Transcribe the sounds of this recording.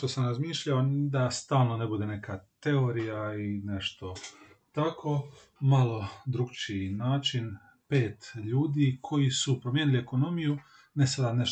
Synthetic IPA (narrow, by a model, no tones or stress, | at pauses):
t̪osamɾazmiːʃʎaod̪ast̪aːlˠno̞nebud̪e̞ne̞kat̪e̞o̞ɾijaine̞ʃt̪o̞ | t̪akʰo̞ | malˠo̞d̪ɾuɡt͡ʃinaːt͡ʃin | pe̞ːt̪ʎuːd̪ikʰo̞jisupɾomjenilie̞ko̞no̞miju | nesad̪aneʃ